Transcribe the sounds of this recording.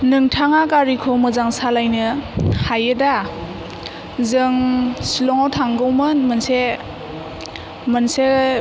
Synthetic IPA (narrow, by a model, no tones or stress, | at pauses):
nɯŋtʰaŋakaɾikʰɔmɯzaŋsalajnɯhajɯda | zɯŋsilɔŋawtʰaŋɡɯwmɯnmɯnse | mɯnse